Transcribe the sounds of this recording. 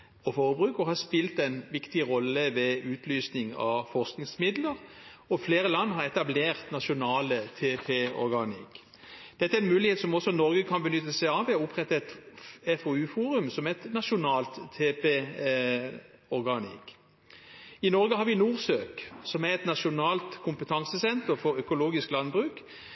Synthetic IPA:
ɔfoːʁəbʁʉːkɔhɑspɪlt̪ɛnʋɪkt̪ɪʁɔlːəʋɛʉːt̪ʰlyːsnɪŋɑ̰ʋfɔʁsknɪŋsmɪd̪ləʁɔfleːʁəlɑnːɦɑʁɛt̪ɑbleːʁt̪nɑʃʊnɑːlət̪ʰeːpʰeːɔ̰ɾɡɑnɪ̰k | d̪̥ɛt̪ːəɛɾɛnmʉːlɪheːt̪sɔmɔsːɔnɔʁɡəkʰɑnbənʏt̪ːəsæɪɑʋɛɔʊpʁɛt̪ːəɛt̪ɛfɔʉːfuːʁʉmsɔmɛɛt̪nɑʃʊnɑːlt̪ʰːeːpeː | ɔʁɡɑnɪ̰k | ɪnɔʁɡəhɑɾʋɪnuːʁsøːksɔmæʁɛt̪nɑʃʊnɑːlt̪kʰʊmpət̪ʰɑŋsəsɛnt̪əʁfɔɾœkʊloːɡɪsklɑnbʁʉːk

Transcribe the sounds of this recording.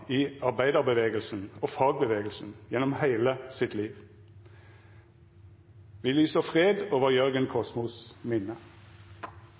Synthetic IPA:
iːɑʁbæɪd̪ɑʁbəʋeːɡəlsn̩oːfɑːɡ̚bəʋeːɡəlsn̩jɛnɔmhæɪləsɪt̪liːʋ | ʋiːlyːsəfʁeːd̪oːʋəʁjœʁɡənkʰɔsmʊsmɪnə

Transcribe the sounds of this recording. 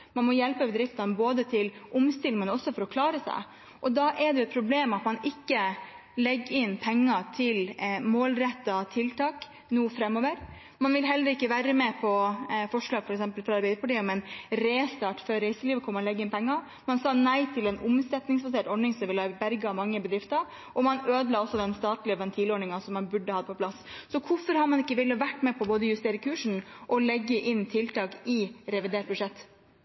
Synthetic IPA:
mɑnmɔjɛlpəbɛd̪ɾɪft̪ɑnəboːd̪ət̪ʰɪlʔʊmst̪ɪlmənɔsːɔfɔɾɔkʰlɑːɾəsæ̰ɪ | ʔɔd̪ɑʔɛɖ̪ɛʊɛt̪pʰɾʊbleːmɑt̪mɑnɪkːə | lɛɡːɪnpʰɛŋːɑt̪ʰɪlmoːlɾɛt̪ːɑt̪ʰɪlt̪ɑːk | nuːəfɾɛmːoːʋəɾ | mɑnʋɪlɦɛlːəɾəɪkːəʋæːɾəmɛpʰɔfɔʂɭɑːɡfɔɾɛksɛmpəlfɾɑɑɾbɛɪd̪ɾpʰɑʈiːʊmɛnɾeːst̪ɑːʈfœɾɾæɪsəliːʋəkʰɔmːəlɛɡːəɪnpʰɛŋːɑ | mɑnsɑːnæɪt̪ʰɪlɛnʊmsɛt̪nɪŋsbɑs̬eːʈɔɳɪŋsɔmʋɪlɑbæɾɡmɑŋːəbəd̪ɾɪft̪ɑɾ | ʔɔmɑnøːd̪lɑːɔsːɔd̪ɛnst̪ɑːt̪lɪəʋɛnt̪ʰiːloːɳɪŋɑsɔmːɑnbʉɖːəhɑd̪əpʰɔpʰlɑssɔkʰʊfɔɾhɑmɑnɪkːəʋɪlːɑʋæʈːmɛpʰɔboːd̪əjʉst̪eːɾəkʰʉːʂɳ̩ʔɔlɛɡːəʔɪnːt̪ʰɪlt̪ɑːkɪɾɛʋɪd̪eːʈ̚bʉʂɛt̪ː

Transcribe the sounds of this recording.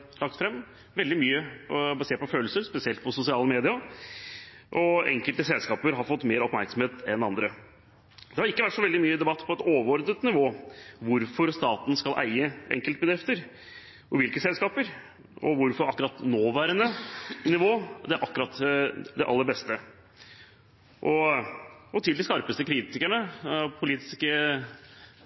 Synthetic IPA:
lɑk̚t̪fɾɛmː | ʋɛld̪ɪmyːəɔbɑseːɾpɔføːləsəɾspɛsɪɛlt̪̚pʰɔsʊsɪɑːləmeːd̪ɪɑ | ʔɔɛ̰ŋkəlt̪əsɛlskɑːpəɾɦɑɾfɔt̪ːmeːɾɔpmæɾksəmheːt̪ɛnɑnd̪ɾə | d̪ɛhɑɾɪkːəʋæʈʂɔʋɛld̪ɪmyːəd̪ɛbɑt̪ːpʰɔɛt̪oːʋəɾɔɾd̪ət̪nɪʋoːʋʊɾfɔɾst̪ɑːt̪n̩skɑlʔæ̰ɪəʔɛ̰ŋkəlt̪̚bəd̪ɾɪft̪əɾ | ʔɔʋɪlkəsɛlskɑːpəɾ | ɔ̰ʋʊɾfɔɾɑkːʉɾɑt̪noːʋæːɾənənɪʋoːd̪ɛʔɑkːɾɑt̪ːd̪ɛʔɑ̰lːəɾbɛst̪ə | ʔɔ | ɔt̪ʰɪld̪ɪskɑɾpəst̪əkʰɾiːt̪ɪkæɳəpʰʊliːt̪ɪ̥skə

